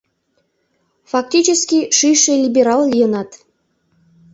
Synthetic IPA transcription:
fɑk̚tʲit͡ɕəskʲiʃɨjʃelʲibʲeɾɑlˠlʲijənɑt̪

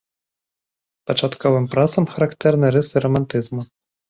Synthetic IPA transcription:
pɐt͡ʂat̪kɔvɨmpɾasɐmxɐɾakt̪ɛrnɨɾɛsɨɾɔmant̪ɨzmu

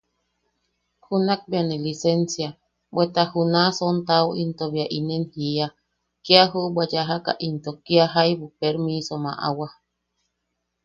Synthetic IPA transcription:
hunak̚bianelisensja | bwet̪ahunasont̪awint̪oβiaʔinenhia | kiaɦuʔbwajaɦaka̰ʔint̪okiaɦajβupeɾmisoma̰ʔa̰wa

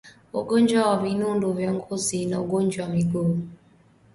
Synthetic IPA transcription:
o̰ɡoɲd͡ʒwawavinunduvjɔŋɡozinaoɡoɲd͡ʒwamiɡom

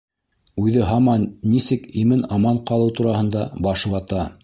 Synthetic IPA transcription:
ʉðɘɦɑmɑnːisɘkimɘnɑmɑɴqɑlˠɤwt̪uɾɑhɤ̆nd̪ɑbɑʃɤ̆wɑt̪ɑ

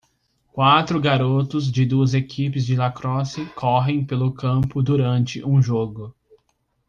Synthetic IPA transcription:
kwat̪ɾʊɡaɾot̪ʊzd͡ʒɪd̪uɐzekʰipɪzd͡ʒɪlakɾɔsɪkʰɔɦẽj̃pelʊkɐ̃mpʊd̪uɾɐ̃nt͡ʃɪʔũʒoɡʊ

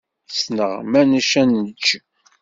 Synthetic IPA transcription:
snəʁmæniʃænət͡ʃː

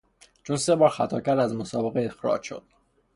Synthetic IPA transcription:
t͡ʃʰunse̞bɒːɾxæt̪ʰɒːcæɾd̪æzmosɒːbe̞ɣeexɾɒ̰d͡ʒʃo̞̰d̪̥̚

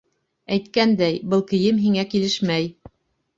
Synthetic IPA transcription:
æjt̪kænd̪æjbɤlˠkɘ̆jɘmɦiŋækilɘʃmæj

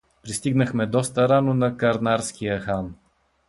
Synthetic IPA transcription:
pɾist̪iɡnəxmɛd̪ɔst̪əɾanonɐkɐɾnaɾskijəxan

